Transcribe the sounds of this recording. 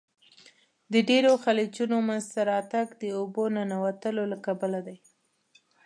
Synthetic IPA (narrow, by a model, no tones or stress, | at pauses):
d̪əɖeɾoxalit͡ʃunomanzt̪aɾɑt̪aɡd̪əobonanawat̪əlolakabəlad̪aj